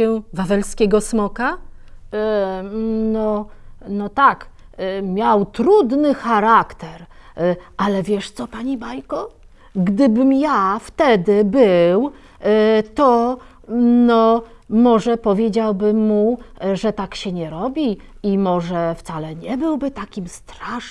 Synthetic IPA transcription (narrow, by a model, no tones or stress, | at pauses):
ɛvavɛlskʲɛɡɔsmɔka | nɔnɔt̪akmʲjawt̪ɾud̪nɘxaɾakt̪ɛɾ | ʔalɛvʲjɛʂt̪sɔpaɲibajkɔ | ɡd̪ɘbɘmjaft̪ɛd̪ɘbɘw | t̪ɔ | nɔ | mɔʐɛpɔvʲjed͡ʑawbɘmːuʐɛt̪akɕɛɲɛɾɔbʲi | imɔʐɛft̪salɛɲɛbɘwbɘt̪akʲimst̪ɾaʂ